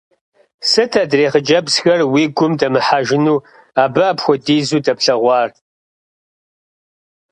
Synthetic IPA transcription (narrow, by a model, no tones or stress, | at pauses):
sɨtʰadreːχəd͡ʒɐbsxɐrwiːɡʷʊmdɐmɨħaʒɪnuː | aːbɨaːpxʷɔdiːzuːdɐpɬɐʁʷɑːr